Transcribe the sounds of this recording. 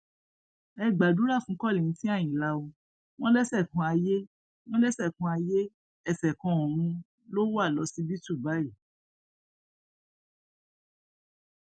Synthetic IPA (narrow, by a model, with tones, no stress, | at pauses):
ɛ˧ɡ͡ba˨du˨˦ɾa˦˨fũ˨˦kɔ˦˨li˨ñ̩˨˦tĩ˦a˦˨j̃ĩ˨la˧o˧ | w̃ɔ̃˦lɛ˦sɛ˦˨kũ˧˦a˧je˦ | w̃ɔ̃˦lɛ˦sɛ˦˨kũ˨˧˦a˧je˦ | ɛ˦˨sɛ˨kɔ̃˧ɔ̃˨ɾ̃ũ˧ | lo˦wo˦a˦˨lɔ˨˧˦si˦bi˦tu˦˨ba˨˦i˦˨